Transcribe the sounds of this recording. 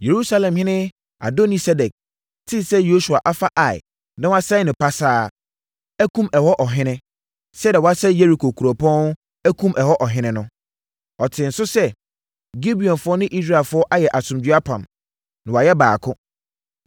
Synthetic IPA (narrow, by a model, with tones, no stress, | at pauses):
je˨ɾu˦sa˦lɛ̃˨mhɪ̃˦nɪ̃˦ | a̰˨do˦ni˨sɛ˦dɛ˨k̚ | tʰɪ˦sɛ˦jo˦su˨a˨ʔa˦fa˦ʔa˨ɪ̰˨ | nã˦wa˦sa˦nɪ̃˨pa˦saː˦ | ɛ˦kʰũ˦mɛ˨hɔ˦ʔɔ˨ɦɪ̃˦nɪ̃˦ | sɛ˦dɛ˨wɔ˨a˦sɛ˦je˦ɾi˨kʰo˨kʰu˨ɾɔ˨pʰɔ̃˦n˦ | æ˦kʰũ˦mʔɛ˨hɔ˦ʔɔ˨ɦɪ̃˦nɪ̃˦nʊ̃˦ | ɔ˨tʰɪ̃˨n̩˨sʊ˦sɛ˦ | ɡi˦bi˨ɔ̃˨nfʊ˦ɔ˦nɪ̃˦ʔi˦s̬ɾa˨lfʊ˨˦ɔ˦ʔa˦jɛ˨ʔa˨sʊ̃˨mdɥa˦pʰã˨m | nɪ̃˨wa˨jɛ˦ba̰ː˨kʰʊ̃˦